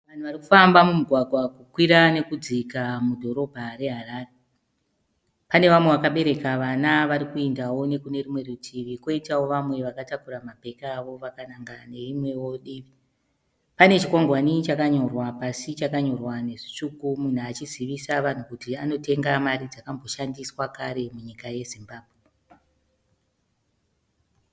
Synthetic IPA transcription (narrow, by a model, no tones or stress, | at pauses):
ʋan̤uʋariku̥fambamumuɡʱwaɡʱwakukwiɾane̞kud͡zikamudʱo̞ɾo̞bʱaɾe̞ɦaɾaːre | pane̞ʋamweʋakaɓe̞ɾe̞kaʋanaʋaɾikuendawo̞ne̞kune̞rimwe̞rutʰiʋiko̞itawo̞ʋamwe̞ʋakatakuramape̞kaːʋo̞ʋakanaŋɡane̞rimwe̞wo̞ɗiːʋi | pane̞t͡ʃikwaŋɡwanit͡ʃakaɲo̞rwapasit͡ʃakaɲo̞rwane̞ʐit͡ʂukumun̤uat͡ʃiziʋisaʋan̤ukutiano̞te̞ŋɡamaɾid͡zakambo̞ʃandiswakaɾe̞muɲikaje̞zimbaːbʱwe